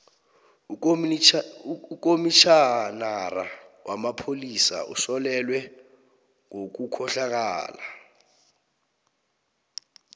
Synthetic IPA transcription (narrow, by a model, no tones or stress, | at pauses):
uk̬ʼomit͡ʃʰanara̰wamapʰolisa̰ʔṵsɔlɛlwɛ | ŋok̬ukʰɔɬak̬a̰ːla